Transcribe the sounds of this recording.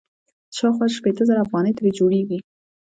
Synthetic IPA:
ʃɑwxwɑʃpet̪əzəɾaːfɣɑnəjt̪aɾed͡ʒoɽeɡi

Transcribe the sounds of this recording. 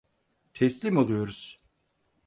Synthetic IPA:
t̪ʰɛslʲimolˠujo̞ɾuz̥

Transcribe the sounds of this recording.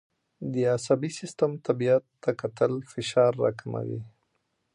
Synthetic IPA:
d̪əasabisɪst̪amt̪abijat̪ːakat̪əlfɪʃɑɾːɑ̰kʰama̰wḭ

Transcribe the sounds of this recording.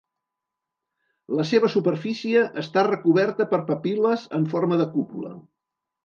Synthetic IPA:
ləseβəsupəɾfisiəʔəst̪arəkuβɛɾt̪əpəɾpəpiləzəɱforməðəkupulə̰

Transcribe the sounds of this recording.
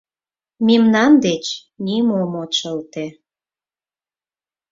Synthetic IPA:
mimnɑnd̪et͡ɕ | nimomot͡ɕəlt̪e

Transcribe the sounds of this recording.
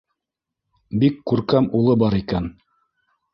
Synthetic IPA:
bikːʉɾkæmulˠɤbɑɾikæn

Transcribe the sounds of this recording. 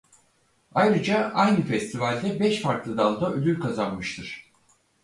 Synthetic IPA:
ajɾɯd͡ʒaajnɯfɛst̪ʰivalʲd̪ɛbɛʃfaɾklˠɯd̪alˠd̪aølʲyɾkʰazanmɯʃt̪ʰɯɾ̝̥

